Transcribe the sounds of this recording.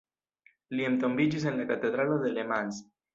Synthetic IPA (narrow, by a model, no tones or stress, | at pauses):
ljemt̪ombit͡ʃis̬enlakat̪eðɾaloðelemans